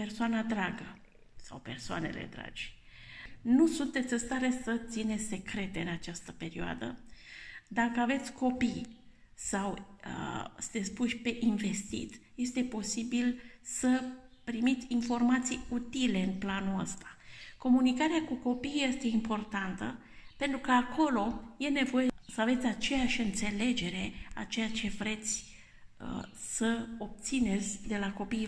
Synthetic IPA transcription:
pe̞rsoanad̪ɾaɡə | sa̰wpe̞̰rsoa̰ne̞̰lḛd̪ɾa̰d͡ʒ | nusunt̪e̞t̪sʲɨst̪aɾe̞sət̪sine̞t̪sʲse̞kɾe̞t̪e̞ɨnat͡ʃast̪əpe̞ɾioa̰d̪ə̰ | d̪akəave̞t̪sʲko̞pij | sawəsɨ̥t̪e̞t̪spuʃʲpe̞ʔinve̞st̪ḭt̪je̞st̪e̞po̞sibilsəpɾimit̪sʲinfo̞rmat̪sijut̪ile̞ɨnplanuəst̪ḁko̞munikaɾeakuko̞pijje̞st̪e̞impo̞rt̪ant̪ə | pe̞nt̪ɾukəakʰo̞lo̞je̞ne̞vo̞jesəave̞t̪sʲat͡ʃe̞jaʃʲɨnt̪se̞le̞d͡ʒe̞ɾe̞a̰t͡ʃe̞jat͡ʃe̞vɾe̞t̪sʲ | ə̰səo̞p̚t̪sine̞t̪sʲd̪e̞lako̞pi

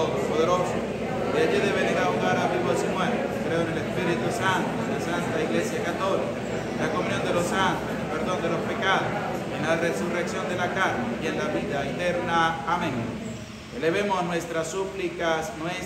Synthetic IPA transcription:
ðopoðeɾoso | eaʝiðeβeɾeɾauɣaɾaβiβosimweɾt̪ekɾeonelespiɾit̪usant̪oðesant̪aiɣle̞sjakat̪o̞lika | elakomũnjo̞nd̪elo̞sant̪osnelpe̞ɾðo̞nd̪e̞lo̞spekaðosenlaresureksjo̞nd̪elakaɾnejenlaβiðaet̪eɾnaːmẽŋ | eleβemosnwe̞st̪ɾasːuplikasnwes

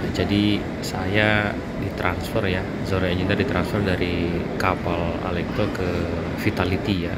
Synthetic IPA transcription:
d͡ʒadi | saja | dit̪ɾʔansfərja | zoɾaɲint̪adit̪ɾansfərdaɾi | kapala̰lɛk̚t̪okə | fit̪alit̪ija

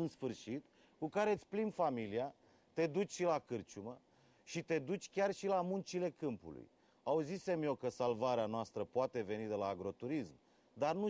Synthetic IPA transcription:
ɨnsfɨrʃit̪ | kukaɾe̞t̪sʲplinfamilia | t̪e̞d̪ut͡ʃʲʃilakɨrt͡ʃumə | ʃit̪e̞d̪ut͡ʃʲkʲarʃilamunt͡ʃile̞kɨmpṵlṵj | auzise̞mjewkəsalvaɾeanoast̪ɾəpoat̪e̞ve̞nid̪e̞laːɡɾo̞t̪uɾism | d̪arnu

